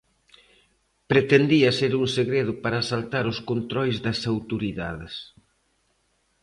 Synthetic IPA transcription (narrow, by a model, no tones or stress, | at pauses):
pɾet̪end̪iɐseɾuŋseɣɾeð̞ʊpaɾɐːsalt̪aɾʊskont̪ɾɔjzðɐsawt̪oɾiða̰ðɪs